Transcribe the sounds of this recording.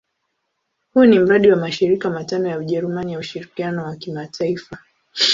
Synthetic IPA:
hunim̩ɾaɗiwamaʃiɾikamatanɔjauʄɛɾumanijauʃiɾikianɔwakimataifa

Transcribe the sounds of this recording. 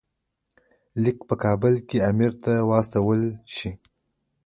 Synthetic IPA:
lɪkpəkɑbəlkeamiɾt̪awɑst̪awəlʃi

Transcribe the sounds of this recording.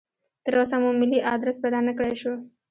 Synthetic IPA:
t̪əɾosamũmɪliʔɑd̪ɾəspɛd̪ɑnəkɽejʃu

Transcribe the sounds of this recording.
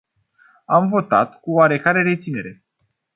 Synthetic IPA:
amvo̞t̪a̰t̪kuoaɾe̞kaɾe̞ɾe̞t̪sine̞ɾe̞

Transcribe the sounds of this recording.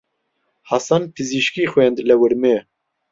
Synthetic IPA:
hɑsɑnpʰɨziʃkiːxwɛnd̪lɛwɨɾme

